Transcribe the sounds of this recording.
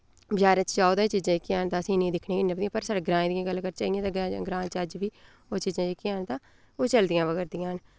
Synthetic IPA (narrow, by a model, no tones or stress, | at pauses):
bjaːɾẽːt͡ʃd͡ʒaːoːd̪aːt͡ʃiːzãːd͡ʒɪkːiaːnt̪ãːəsĩːnĩːd̪ɪkʰneːkɪnːeːpəd̪ĩãːpəɾsaːɽeːɡɾãːẽːd̪iãːɡəlkəɾt͡ʃaːiãːt̪ãːɡãːɡɾãːt͡ʃəd͡ʒʋiː | oːt͡ʃiːzãːd͡ʒɪkːiaːnt̪ãː | oːt͡ʃəld̪ɪjãːʋəɡɛɾd̪ɪjãːn